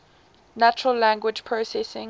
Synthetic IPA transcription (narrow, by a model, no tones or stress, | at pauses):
nat͡ʃəɹəllæ̃ŋɡwɪd͡ʒpʰɹosɛsɪ̃ŋ